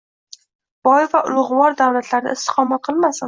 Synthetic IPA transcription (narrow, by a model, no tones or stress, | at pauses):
b̥ɒjvaʔʊlˠʁʊwɒɾd̪awlat̪ʰlaɾd̪a̰ɪst̪ɪ̥qʰɒmat̪̚qʰɨlˠmasɪn